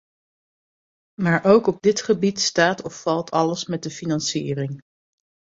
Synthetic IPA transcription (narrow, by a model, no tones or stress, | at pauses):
maːɹʔowkɔb̚dɪtχəbitstaːtɔfːɑlˠtʰɑləsmɛt̚dəfinɑnsiːrɪŋ